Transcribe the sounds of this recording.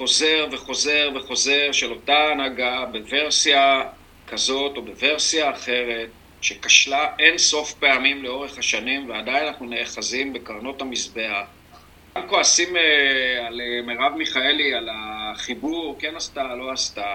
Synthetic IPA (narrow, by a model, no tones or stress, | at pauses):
χo̞ze̞ʁve̞χo̞ze̞ʁveχo̞ze̞ʁʃe̞lo̞taːnaɡabe̞ve̞ʁsia | kazo̞to̞be̞ve̞ʁsiaːχe̞ʁe̞t̚ | ʃe̞kaʃlaʔe̞nso̞fpe̞amimle̞o̞ʁeχhaʃanimveadajnanaχnune̞aχazimbe̞kaʁno̞tamisbe̞aχ | ɡamko̞asimealemeʁavmiχae̞lialaχibuʁke̞nast̪alo̞asta